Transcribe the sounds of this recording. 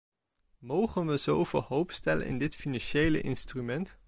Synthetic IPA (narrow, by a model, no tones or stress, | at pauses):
mowχənʋəzowvɪ̰ːlˠɦowpstɛlə̰nʔɪ̰ndɪtfinɑnʃejlə̰ʔɪnstrymɛnt